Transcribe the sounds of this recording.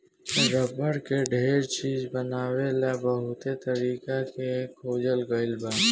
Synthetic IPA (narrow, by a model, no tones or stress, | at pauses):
ɾəbəɽkeɖʱeːɾt͡ʃiːd͡ʒbənaːwelabəɦʊt̪et̪əɾiːkakekʰoːd͡ʒəlɡəɪlbaː